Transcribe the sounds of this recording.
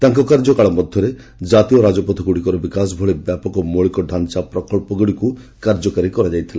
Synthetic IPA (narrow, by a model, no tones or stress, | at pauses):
t̪aŋkɔkaɾd͡ʒɔkaɭɔmɔd̪ʱjɔɾe | d͡ʒat̪iɔɾad͡ʒɔpɔt̪ʰɔɡuɽikɔɾɔbikasbʱɔɭebjapɔkɔmoɭikɔɖʱant͡ʃapɾɔkɔɭpɔɡuɽiku | kaɾd͡ʒɔkaɾikɔɾad͡ʒajt̪ʰila